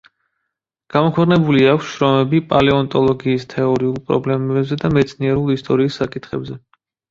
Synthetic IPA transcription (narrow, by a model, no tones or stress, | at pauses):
ɡ̥amɔkʰwɛqʼnɛbuliakʷʰsʃɾɔmɛbipʼalɛɔnt̪ʼɔlˠɔɡiːst̪ʰɛɔɾiulˠpʼɾɔ̰blɛmɛɛbzɛd̪amɛt̪sʰniɛɾulˠist̪ʼɔɾiːsːakʼit̪ʰχɛbzɛ